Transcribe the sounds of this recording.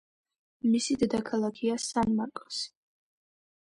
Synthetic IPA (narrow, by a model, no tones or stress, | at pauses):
misid̪ɛd̪akʰalˠakʰiasanmaɾkʼɔ̥si̥